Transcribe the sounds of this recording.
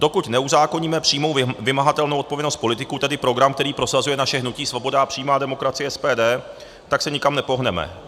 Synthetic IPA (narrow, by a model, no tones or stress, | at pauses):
d̥o̞kut̪nɛuzaːko̞ɲiːmɛpr̥iːmo̞wvɪmaɦat̪ɛlnowot̪povjɛnost̪̚po̞lɪt̪ɪkut̪ɛdɪpɾo̞ɡɾamkt̪ɛɾiːpɾo̞sazujɛnaʃɛɦnuciːsvo̞bo̞dapr̝̥iːmaːdɛmo̞kɾat͡sɪjɛʔɛspɛːdɛː | t̪aksɛɲɪkamnɛpo̞ɦnɛmɛ̰